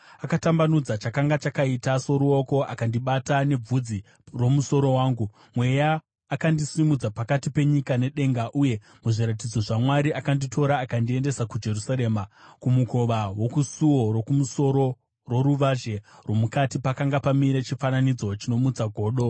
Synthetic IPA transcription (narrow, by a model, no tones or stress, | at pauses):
akatambanud͡zat͡ʃakaŋɡat͡ʃakaitaso̞ɾuo̞ko̞a̰kandiɓatane̞b͡vud͡zi | ro̞muso̞ɾo̞waːŋɡu | mwe̞jaː | kandisimud͡zapakatipe̞ɲikane̞ɗe̞ŋɡaʔuje̞ | muʐiɾat̬id͡zo̞ʐamwaɾiakanditʰo̞ɾaːkandie̞nde̞sakud͡ʒe̞rusaɾe̞ːmakumuko̞ʋawo̞kusuwo̞ɾokumuso̞ɾo̞ | ro̞ɾuʋaʒe̞rwo̞mukatipakaŋɡapamiɾet͡ʃifananid͡zo̞t͡ʃino̞mut͡saɡʱo̞ːɗo̞